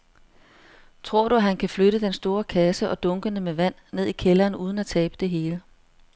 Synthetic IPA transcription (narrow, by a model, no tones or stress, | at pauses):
t͡sʰʁo̝ɐ̰ɾ̥uæɦænkʰæfløɾəd̥ensd̥o̝ːɐkʰæsəʔɒ̽d̥ɔ̽ŋɡ̥ənəmeʋæn̰ːe̝ð̞̰ˠikʰelɐːnuːð̞ˠn̩æt͡sʰɛːb̥əd̥e̝ɦe̝ːlə